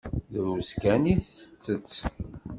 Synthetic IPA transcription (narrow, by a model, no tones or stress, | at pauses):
ðɾuskæniθə̥t͡sːət͡sː